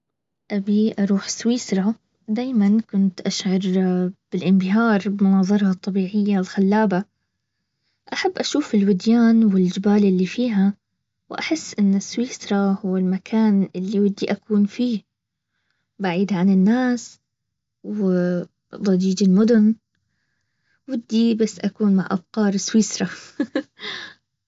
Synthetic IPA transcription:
ʔabiʔɑɾˤuːħswiːsɾˤɑ | d̪aːjmankʊnt̪ʔaʃʕɑɾˤb̥ɪlʔɪmbɪɦɑːɾˤbɪmʊnɑːðˤɑɾˤɑhɑt̪ˤːɑbiːʕɪjːaɪlxalːaːba | ʔaħabːʔaʃuːfɪlwɪd̪jaːnwɪld͡ʒɪbaːlʔɪlːifiːɦa | wʔaħɪsːʔɪnːɪsːwiːsɾˤɑhʊwɪlmakʰaːnʔɪlːiwɪd̪ːiʔakuːnfiː | baʕiːd̪ʕanɪnːaːs | w | d̪ˤɑd͡ʒiːd͡ʒɪlmʊd̪ʊn | wɪd̪ːibasːʔakuːnmaʕʔa̰bqɑːɾˤɪswiːsɾˤɑ

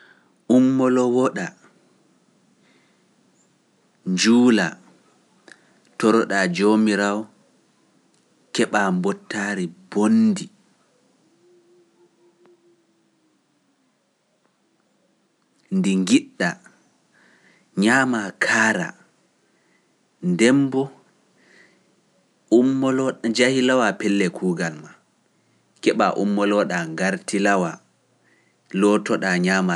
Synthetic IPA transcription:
ʔumːɔlɔwɔɗa | ɲd͡ʒuːla | tɔɾɔɗad͡ʒomiɾaw | kɛɓaːmbɔtːaːɾibondi | ndiŋɡiɗːa | ɲaːmakʰaːɾa̰ | ndɛmbɔ | umːɔlɔd͡ʒahilawapɛlːɛkʰuːɡalma | kɛɓa̰ʔumːɔlɔɗaŋɡaɾtilawa | lɔtɔɗaɲaːma

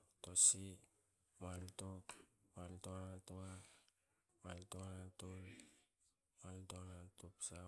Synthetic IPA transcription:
tosi | maltokmaltonatoa | maltonatol | maltonatupsa

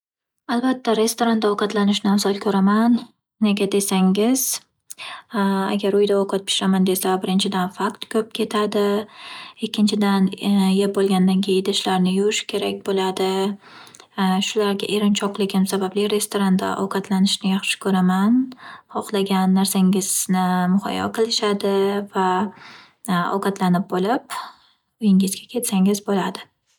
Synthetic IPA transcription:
albat̪ʰːaɾe̞st̪oɾand̪aɒqɑt̪lanɪʃnɪamsɒlˠkʰɵɾaman | ne̞ɡʲad̪e̞saŋɪz̥ | a̰ɡʲaɾʊjd̪aoqʰɑt̪̚pʰɪ̥ʃɾamand̪e̞sabɪɾɪnt͡ʃʰɪd̪anfakt̪kʰɵp̚kʲʰe̞t̪ʰad̪ɪ | ɪkʲːɪnt͡ʃʰɪd̪anjep̚bolˠɡʲand̪ankʲʰejɪnd̪aʃlaɾnɪjʊʃkʲʰe̞ɾakʲbolad̪ɪ | ʃʊlaɾɡʲa̰ʔeɾɪnt͡ʃʰɒqlˠɪɡʲɪmsabablɪɾe̞st̪oɾand̪a̰ʔɒ̰wqʰɑt̪lanɪʃnɪjaχʃɪ̥kʰɵɾamanhɒqlˠaɡʲanːaɾsaŋɪznɪmʊhɒ̰jɒ̰qʰɨlˠɪʃad̪ɪva | ɒ̰wqɑt̪lanɪp̚bolɪp̚ | ʊjɪŋɪzɡʲakʲʰe̞t̪saŋɪzbolad̪ɪ

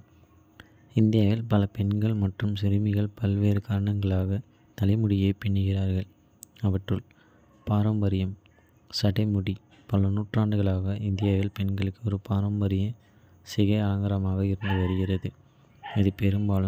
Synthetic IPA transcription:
ɪnd̪ɪjaːʋɪlpɐlɐpɛɳɡɐɭmɐʈrɯmsɪɾɪmɪɣɐɭpɐlʋeːɾɯkaːɾɐɳɐŋɡɐɭaːɣɐ | t̪ɐlɐɪmʊɽɪjeːpɛɳːɯɣɪɾaːɾɣɐɭ | ɐʋɐʈrɯɭ | paːɾɐmbɐɾɪjɐm | sɐɽɐɪmʊɽi | pɐlɐnuːʈraːɳɖɯɣɐɭaːɣɐʔɪnd̪ɪjaːʋɪlpɛɳɡɐɭɯkːɯɔɾɯpaːɾɐmbɐɾɪjɐ | sɪɣɐɪaːŋɡɐɾɐmaːɣɐɪɾɯnd̪ɯʋɐɾɯɣɪɾɐðɯ | ɐðɯpɛɾɯmbaːlɯm

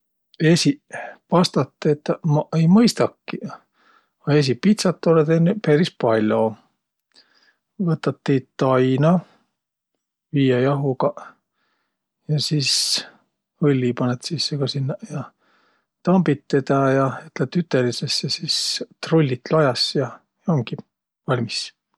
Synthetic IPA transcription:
esipɑst̪ɑt̪ːet̪ːɑmɑejmɤjst̪ɑkːi | ɑes̬ipit̪sɑt̪ːolet̪enːepeɾispɑlʲːo | vɤt̪ːˑɑt̪ːit̪ɑjnɑ | viːjɑjɑɦukɑ | jɑsis | ɤlʲːipɑnet̪sisːekɑsinːɑjɑ | t̪ɑmbit̪ːed̪ɑjɑyt̪let̪ːyt̪ːˑelisesːesist̪rolʲːit̪lɑjɑsjɑ | joŋɡi | vɑlʲmis

